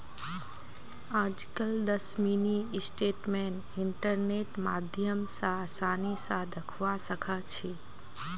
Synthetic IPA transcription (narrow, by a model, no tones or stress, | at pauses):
ãːd͡ʒkəld̪əsmiːnisʈeːʈmẽːnɪɳʈəɾneːʈmaːd̪ʱjəmsãsaːnisãd̪ɐkʰʋasəkʰat͡ʃʰiː